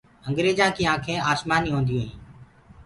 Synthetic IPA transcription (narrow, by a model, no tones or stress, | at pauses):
əŋɡɾeːd͡ʒãːkĩːãːkʰẽːaːsmaːniːɦõːnd̪iũːɦḭ̃ː